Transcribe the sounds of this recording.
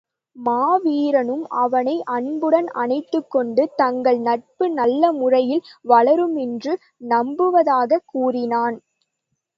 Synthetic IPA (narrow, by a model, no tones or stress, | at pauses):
maːʋiːɾɐnɯmɐ̰ʋɐnɐɪʔɐɳbɯɽɐnɐnɐɪt̪ːɯkːɔɳɖɯt̪ɐŋɡɐɭnɐʈ̚pɯnɐlːɐmʊrɐjɪlʋɐɭɐɾɯmɛndrɯ | nɐmbɯʋɐðaːɣɐkuːrɪnaːn